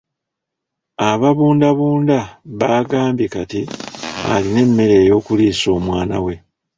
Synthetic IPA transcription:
aβaβuːndaβuːndaβaːɡaːmbikatia̰line̞mːe̞ɾe̞ːjo̞ːkuliːso̞ːmwaːna̰we̞

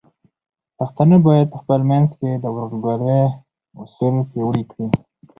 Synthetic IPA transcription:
paxt̪anəbɑjad̪̚pəxpəlmanzked̪əwɾulɡaɾe | ʊsulpewɽikɽi

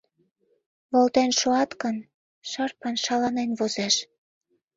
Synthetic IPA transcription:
βolt̪enʃoɑt̪kən | ʃɑrpɑnʃɑlɑnenβozeʃ

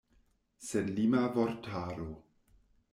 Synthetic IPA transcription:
senlimavoɾtʰaːɾo

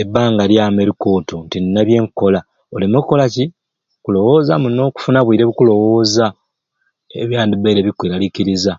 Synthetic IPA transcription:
ebːaːŋɡaljaːmeɾiko̞ːtʰo̞ntinnːaβje̞ːŋko̞la | olimokːo̞laci | kulo̞wo̞ːzamuno̞ːku̥funaβwiːɾeβukulo̞wo̞ːza | eβjaːndiβeɾeβikwiːɾalikiɾiza

